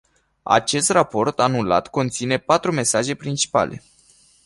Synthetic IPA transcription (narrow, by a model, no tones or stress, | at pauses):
a̰t͡ʃe̞st̪rapo̞rt̪anula̰t̪ko̞nt̪sine̞pat̪ɾume̞saʒe̞pɾint͡ʃi̥pa̰le̞̰